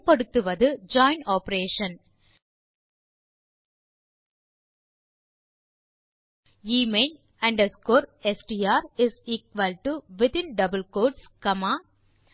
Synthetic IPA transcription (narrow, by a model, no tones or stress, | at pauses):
pɐɽɯt̪ːɯʋɐðɯd͡ʒɔːɪnɔːpɾeːʃɐ̃n | iːmen | ɐ̃ɳɖɐskoːɾɛsʈiːaːɾɪziːkʋɐlʈuʋɪt̪ɪ̃nɖɐbəlkoːɖskɐmaː